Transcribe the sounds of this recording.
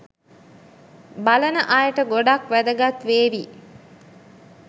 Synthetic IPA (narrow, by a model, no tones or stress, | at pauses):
balənəʔajəʈəɡoɖakʋæd̪əɡat̪ʋeːʋi